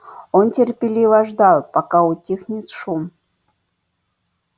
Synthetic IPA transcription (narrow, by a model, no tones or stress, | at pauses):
ontʲɪrpʲɪlʲivɐʐd̪ɑlˠpakaʊtʲixnʲɪt̪ʂum